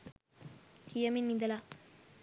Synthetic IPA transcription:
kijɐminːid̪ɐla

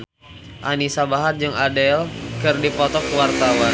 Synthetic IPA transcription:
ʔanisabaɦard͡ʒɨŋadɛlkɨrdipɔt̪ɔkəwart̪awa

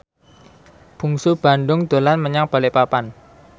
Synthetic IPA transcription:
b̥ṳŋsub̥a̤ɳɖʊŋd̪̥o̤lanməɲaŋb̥a̤lepapan

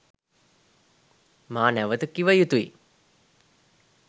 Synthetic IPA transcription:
maːnæʋət̪əkːiʋəjut̪uḭ

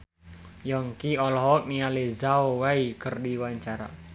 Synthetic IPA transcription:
jɔŋkiɔlɔɦɔk̚nialezaowaikərdiwaɲt͡ʃaɾa̰

